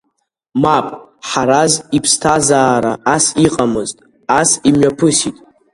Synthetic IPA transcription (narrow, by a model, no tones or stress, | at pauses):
mapʼħaɾazipʰstʰazaːɾaːsiqʼamɨztʼ | asimɥapʰɨsitʼ